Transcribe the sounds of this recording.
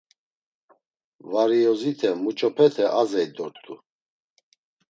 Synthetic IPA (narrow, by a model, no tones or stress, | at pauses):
vaɾiɔzit̪ʰɛmut͡ʃʼɔpʰɛt̪ʰɛʔazɛjd̪ɔɾt̪ʼu